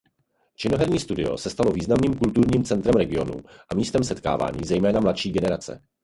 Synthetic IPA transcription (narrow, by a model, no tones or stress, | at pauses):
t͡ʃɪnoɦɛɾɲiːst̪udɪo̞̰sɛst̪alo̞viːznamniːmkult̪uɾɲiːmt͡sɛnt̪ɾɛmɾɛɡɪo̞nṵʔamiːst̪ɛmsɛt̪ka̰ːva̰ːɲḭːzɛjmɛːnamlatʃiːɡɛnɛɾat͡sɛ̰